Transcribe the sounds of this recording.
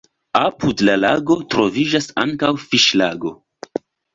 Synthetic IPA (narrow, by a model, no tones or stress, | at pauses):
apudlala̰ɡo̞tɾo̞vid͡ʒasa̰ŋkawfiʃla̰ɡo̞